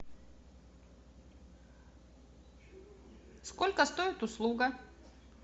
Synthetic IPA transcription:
skolʲkəst̪oɪt̪ʊslˠuɡɐ

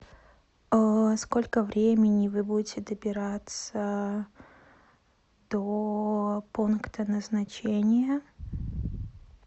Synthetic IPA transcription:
əsko̞lʲkəvɾʲemʲɪnʲɪvɨbudʲɪtʲɪd̪əbʲɪɾat̪sə | d̪̥o | punkt̪ənəznɐt͡ɕenʲɪjə

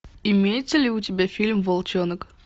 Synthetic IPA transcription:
ɪmʲejɪt̪səlʲɪʊtʲɪbʲafʲilʲmvɐlˠt͡ɕonək

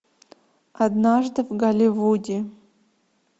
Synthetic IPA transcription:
ad̪naʐd̪ɨvɡalʲivudʲe

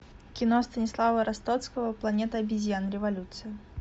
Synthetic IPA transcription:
kʲɪnost̪ənʲɪslˠavəɾɐst̪ot̪skəvəplˠɐnʲet̪əɐbʲɪzʲjanɾʲɪvɐlʲut̪sɨɪ

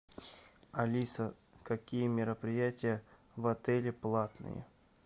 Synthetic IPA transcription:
ɐlʲisəkɐkʲijəmʲɪɾəpɾʲɪjætʲɪjə | vɐt̪ɛlʲɪplˠat̪nɨ̰jə̰

